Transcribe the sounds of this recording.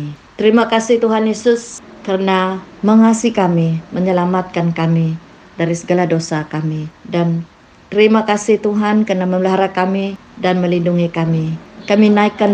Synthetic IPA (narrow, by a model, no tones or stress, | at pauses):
t̪əɾimakasiht̪uɦanjesʊskərənaməŋasikamiməɲəlamat̪̚kankami | daɾisəɡalahdosakamidan | t̪əɾimakasiht̪uɦankərnaməmləɦaɾakami | danməlinduŋikamikaminaikːan